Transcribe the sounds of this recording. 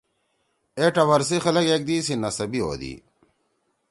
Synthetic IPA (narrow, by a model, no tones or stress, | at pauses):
eʈɐwɐɾs̬ixɐlɐkek̚d̪isinɐsɐbio̰ːd̪ḭ